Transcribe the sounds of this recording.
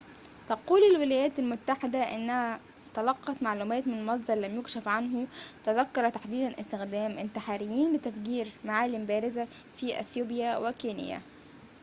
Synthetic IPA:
t̪ɑquːlɪlwɪlæːjæːt̪ælmʊt̪ːaħɪd̪æʔɪnːæhæ | t̪ɑlɑqːɑt̪maʕluːmæːt̪mɪnelmɑs̬ˤd̪ɑɾˤlæmjʊkʃæfʕanɦʊt̪æðækːɑɾˤɑt̪aħd̪iːd̪ænʔɪst̪ɪxd̪æːmʔɪnt̪ɪħaːɾɪjːiːnlɪt̪æfɡiːɾmaʕaːlimbæːɾɪzæ | fiʔḛθjuːbjæwɪkiːnɪ̰jæ̰

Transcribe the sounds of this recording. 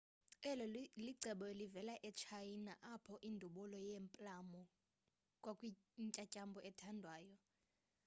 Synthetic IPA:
ɛlɔliǀʱɛɓɔlivɛlaʔɛt͡ʃʰajinaʔapʰɔʔindʱuɓɔlɔjempʼlamɔ | kʼwakʼwi | ŋcʼacʼambʱɔʔɛtʰandʱwaːjɔ

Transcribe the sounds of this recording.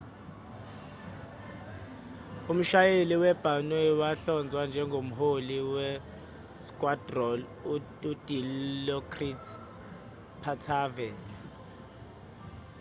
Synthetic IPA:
um̩ʃajeliwɛb̥ʱanwɛwaɬɔnd͡zʱwand͡ʒʱɛŋɡʱom̩ɦoliwɛ | skʼwad̥rɔl | ud̥ʱilɔkʰritʰ | pʰatʰaːvɛ

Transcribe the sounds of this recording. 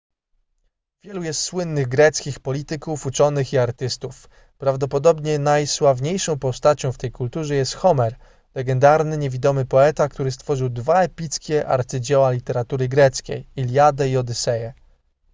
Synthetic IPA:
vʲjɛlujɛst̪swɘnːɘɣɡɾɛt̪skʲixpɔlʲit̪ɘkufut͡ʂɔnɘxiaɾt̪ɘst̪uf | pɾavd̪ɔpɔd̪ɔbɲɛnajswavɲejʂɔ̃w̃pɔst̪at͡ɕɔ̃w̃ft̪ɛjkult̪uʐɛjɛst̪xɔmɛɾ | lɛɡɛnd̪aɾnɘɲevʲid̪ɔmɘpɔɛt̪akt̪uɾɘst̪fɔʐɘwd̪vaɛpʲit̪skʲɛʔa̰ɾt̪sɘd͡ʑɛwalʲit̪ɛɾat̪uɾɘɡɾɛt̪skʲḛjilʲjad̪ɛiɔd̪ɘsɛjɛ

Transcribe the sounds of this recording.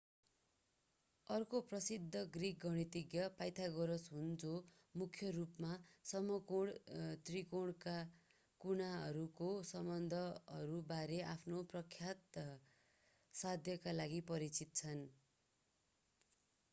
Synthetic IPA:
ʌrkoprʌsid̪ʱːʌɡrik̚ɡʌɽ̃it̪iɡjʌpajt̪ʰaɡʌɾʌsɦund͡zo | mukʰjʌrupmasʌmʌkoɽt̪rikoɽka | kunaʌɾukosʌmbʌnd̪ʱʌʌɾubaɾeʔapʰnoprʌkʰjat̪ | sad̪ʱjʌkalaɡipʌɾit͡sit̪̚t͡sʰʌn

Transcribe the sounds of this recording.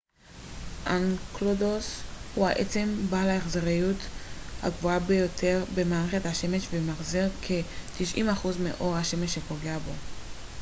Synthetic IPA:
ʔanklodoshuaʔet͡se̞mbalaeχzeʁijutha̰ɡvuabejo̞tʰe̞ʁbe̞maːʁeχe̞thaʃe̞meʃvemaχziʁkʰet̪iʃʔḭmaχuzmḛʔo̞ʁhaʃe̞meʃepoɡeabo̞

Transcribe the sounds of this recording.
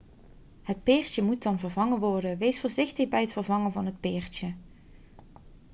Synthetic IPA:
ɦət̚pɪːɹtəmutɑnvərvɑŋəʋɔɹdəʋejsfʊːɹzɪχtəχbɛjɦətfərvɑŋənvɑnɦət̚pɪːɹtə

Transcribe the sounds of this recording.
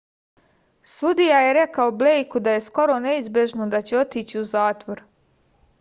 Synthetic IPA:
sud̪ijaje̞ɾekaoblejkud̪aje̞sko̞ɾo̞ne̞izbje̞ʒnod̪at͡ɕeo̞t̪iːt͡ɕiuzaːt̪ʋo̞ɾ

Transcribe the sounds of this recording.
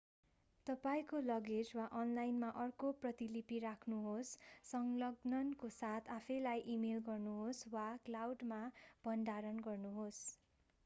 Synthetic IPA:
t̪ʌpaĩkolʌɡed͡zwaʔʌnlajnmaʔʌrkoprʌt̪ilipiɾakʰnuɦosːʌŋlʌɡnʌnkosat̪ʰapʰʌjlajʔimelɡʌrnuɦoswaklawɖmab̥ʱʌnd̪aɾʌnɡʌrnuɦos

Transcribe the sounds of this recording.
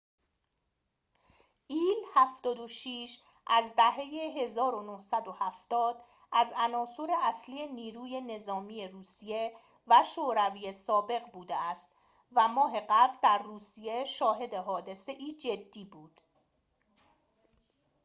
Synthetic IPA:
ʔiːlhæft̪ɒːd̪oʃiːʃ | ʔæzd̪æɦe̞jeɦe̞zɒːɾo̞nohsæd̪ohæft̪ɒːd̪̥ | ʔæzænɒːsoɾe̞ʔæsliːe̞niːɾuːje̞ne̞zɒːmiːje̞ruːsije̞ | væʃoːɾæviːjesɒːbe̞ɣbuːd̪eæst̪ | væmɒːɦe̞ɢæbɾd̪æɾruːsije̞ʃɒːɦe̞d̪e̞ɦɒːd̪e̞se̞ʔiːd͡ʒe̞d̪ːiːbuːd̪̥

